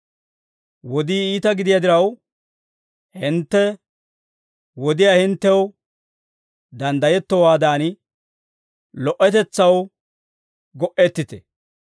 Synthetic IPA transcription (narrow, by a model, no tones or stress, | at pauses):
wɔd̪iːiːt̪ɐɡɪd̪ɪjad̪ɪɾɐw | hɪnt̪ːɛ | wɔd̪ɪjaːhɪnt̪ːɛw | d̪ɐnd̪ɐjɛt̪ːɔwaːd̪aːn | lɔʔɛt̪ɛt͡sːɐw | ɡɔʔɛt̪ːɪt̪ɛ